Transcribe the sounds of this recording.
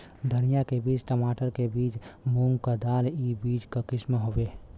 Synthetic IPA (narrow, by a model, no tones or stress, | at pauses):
d̪ʱənijakebit͡ʃʈəmaʈəɾkebiːt͡ʃmuŋkəd̪alibid͡ʒkəkismeɦobe